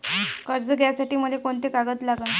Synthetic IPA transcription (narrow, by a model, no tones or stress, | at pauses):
kəɾd͡zəɡjasaʈiːm̤əlekoɳt̪ekaɡət̪laɡən